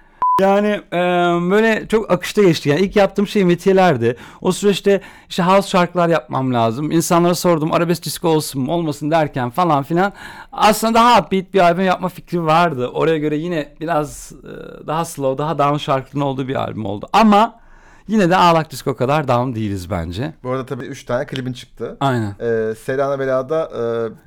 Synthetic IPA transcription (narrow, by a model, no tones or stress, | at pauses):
jaːnɪ | bø̞jlʲɛt͡ʃʰo̞kakʰɯ̥ʃt̪ʰaɟɛt͡ʃt̪ijaniilʲcjap̚t̪ʰɯːmʃejimet̪ʰijelʲæɾd̪ɪosyɾɛt͡ʃt̪ʰɛiʃt̪ɛɦavsʃaɾkɯlˠaɾjap̚ma̰mlʲaːzɯminsanlˠaɾaso̞ɾd̪uma̰ɾabɛsd̪iskoolˠsunmo̞lˠmasɯnd̪æɾcʰænfalˠanfilʲana̰slˠɯnad̪aɦabiit̪̚biɾalʲbymjap̚maficɾivaɾd̪ɯʔo̞ɾajaɟø̞ɾɛjinɛbiɾaz̰d̪aɦasɯlˠaod̪aɦad̪aːmɯʃaɾklˠɯɾno̞lˠd̪uːbiɾa̰lʲbymo̰lˠd̪uʔama | jinɛd̪ɛaːlˠak̚d̪isko̞kʰad̪aɾd̪aɯmd̪ejilʲizbæ̰nd͡ʒɛboɾad̪at̪ʰabiːyt͡ʃt̪ʰaːnɛkʰɯlʲibint͡ʃʰɯ̥k̚t̪ʰɯajnænselʲaːnabelaːd̪aʔɯː